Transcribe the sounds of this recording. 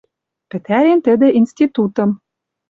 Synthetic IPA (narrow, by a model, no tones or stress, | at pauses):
pɘ̆t̪æɾent̪ɘ̆d̪ĕʔinst̪ʲit̪ut̪ɤ̆m